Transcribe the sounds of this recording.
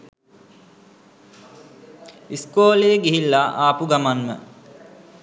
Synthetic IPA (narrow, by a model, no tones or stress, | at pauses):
iskoːlejəɡiɦilːaʔaːpuɡamanmə̰